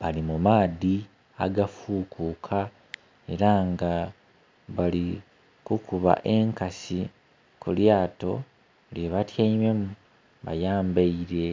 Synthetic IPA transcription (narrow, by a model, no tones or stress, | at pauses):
βalimumaːði | a̰ɡafuːkʰukʰa | e̞ɾaŋɡa | βali | kukuβa̰ʔe̞ŋkasi | kuljaːto̞̰ | ljeβatjaime̞mu | βa̰jaːmbaiɾe̞